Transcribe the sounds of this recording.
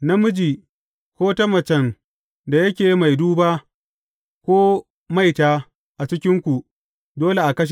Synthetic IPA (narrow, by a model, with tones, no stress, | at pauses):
nɐ˦mʊ˦d͡ʒiː˨ | kʷoː˦tɐ˦mɐ˨t͡ʃɛ˨ŋ | da˨jɐ˦kʲeː˨jma˨jduː˦baː˦ | kʷoː˦ | ma˦˨jtaː˦ | ʔa˨t͡ʃɪ˦kʲɪ˦ŋkʷu˨ | doː˦le˨ʔa˨kɐ˦ʃ̬